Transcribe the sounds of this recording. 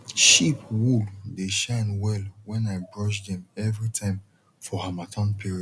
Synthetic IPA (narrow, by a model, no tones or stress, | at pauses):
ʃipwuldeʃãɪnwɛlwɛ̃naɪbɹɔʃdɛ̃mɛvɹitʰãɪ̃m | fɔhamatʰɔ̃npʰiɹiɔ